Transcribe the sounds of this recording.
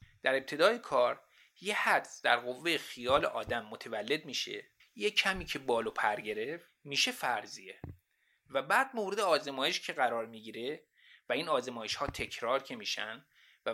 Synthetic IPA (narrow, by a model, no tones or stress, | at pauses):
d̪̥æɾe̞p̚t̪ʰe̞d̪ɒːjekʰɒːɾ | jehæd̪sd̪æɾɣo̞vːejexijɒːlḛʔɒːd̪æmːot̪ʰevælːe̞d̪̚miːʃḛ | jecʰæmiːcʰe̞bɒːlopʰæɾɟe̞ɾe̞f | miːʃe̞fæɾzie | væbæːd̪̚mowɾed̪eɒːzemɒːjeʃcʰe̞ɣæɾɒːɾmiɟiːɾe̞ | væiːnɒːzemɒːjeʃhɒːt̪ʰe̞cʰɾɒːɾcʰe̞miːʃæ̰nd̪ | væ